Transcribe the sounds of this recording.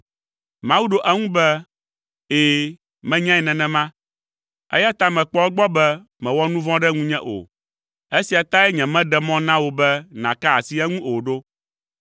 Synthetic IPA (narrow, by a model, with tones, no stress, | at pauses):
mã˨˦wu˦ɖo˦ʔɛ˦ŋũ˦bɛ˦ | eː˨ | mɛ̃˦ɲã˦ɛ˨nɛ̃˨nɛ̃˨mã˦ | ɛ̰˦ja˦t̪a˦mɛ̃˨k͡pɔ˦ɛ˦ɡ͡bɔ˦bɛ˦ | mɛ̃˨wɔ˦nũ˦vɔ̃˦ɖɛ˦ŋũ˦ɲɛ̃˦ʔo̰˨ | e˦si˨a˨t̪ã˦ɛ˦ɲɛ̃˨mɛ̃˦ɖɛ˦mɔ̃˦nã˦wo˨bɛ˦nã̰˨ka˦a˨si˦ɛ˦ŋũ˦ʔo˨ɖo˦